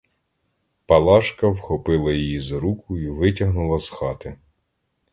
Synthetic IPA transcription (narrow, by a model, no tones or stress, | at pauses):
pɐlˠɑʃkɐwxɔpɪlˠɐjijizɾukʰʊiʋɪtʲɐɦnʊlˠɐzxɑt̪ɪ